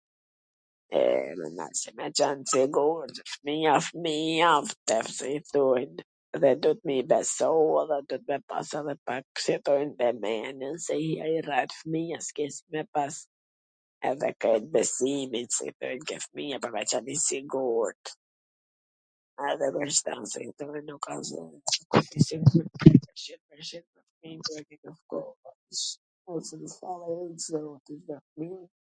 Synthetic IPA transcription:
ɛ̰ma̰nd̪a̰ɾsɛmɛt͡ʃansiɡuɾt̪fmiafmiaft̪ɛfsɛiθujn | ðɛd̪ɔt̪̚mibɛsɔɛðɛd̪ɔt̪̚mɛpa̰sɛðɛpaksɛt̪ɔjnbɛmɛnənsɛhiairɛt̪fmiaskɛsmɛpas | ɛ̰ðɛ̰kɛjt̪̚bɛsiminsɛ̰t̪ɔ̰jnkɛfəmijapɔɾvɛt͡ʃalisiɡuɾt̪ | ɛðɛbəʃt̪a̰nsɛ̰hɛt̪ɔinːukazɔ̰kut̪isiɡuɾt̪kɛpəʃinpəɾʃinməfminkɾɛkɛkəfkɔla | ʃ | ɔsɛd̪əsalaizzɔt̪isdɛfmi

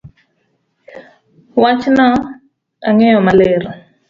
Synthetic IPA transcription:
wat͡ʃʰina | aŋɛjɔmalɛːra

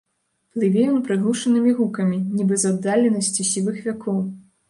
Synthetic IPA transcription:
plˠɨvʲɛjɔnpɾɨɣuʂɐnɨmʲiɣukɐmʲinʲibɨzad̪ːalʲɛnɐsʲt͡sʲisʲivɨxvʲakʰɔw

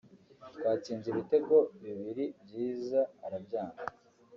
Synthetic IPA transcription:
t̪waːt͡siːnziβite̞ko̞βiβiɾibɟiːzaːɾabɟaːna

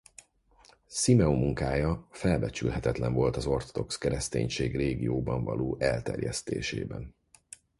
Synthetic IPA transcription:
simɛomːuŋkaːjɒfɛlbɛt͡ʃylɦɛt̪ɛt̪lɛɱvo̞lt̪ɒzo̞rt̪od̪o̞kskɛɾɛst̪eːɲʃeːɡreːɡijoːbɒɱvɒ̰loːʔɛlt̪ɛ̰rjɛst̪eːʃeːbɛn

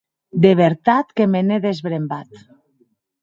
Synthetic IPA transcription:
d̪eβ̞eɾt̪at̪kemeneðezβɾembat̪

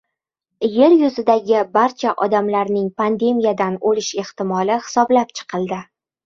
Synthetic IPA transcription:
je̞ɾjʊzɪd̪aɡʲɪbaɾt͡ʃʰaʔɒd̪amlaɾnɪŋpʰand̪e̞mijad̪anolɪʃe̞ht̪ɪmɒlɪhɪ̥sɒblap̚t͡ʃʰɨ̥qʰɨlˠd̪ɪ

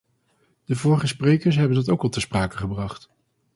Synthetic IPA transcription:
d̥əvʊːɹχəsprejkəɹs̬ɦɛbəndɑtowkɑlˠtəspraːkəχəbrɑχt

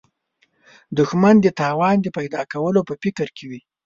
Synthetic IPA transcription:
d̪ʊxmand̪ət̪ɑwɑnd̪əpajd̪ɑkawəlopəfɪkəɾkʰewi

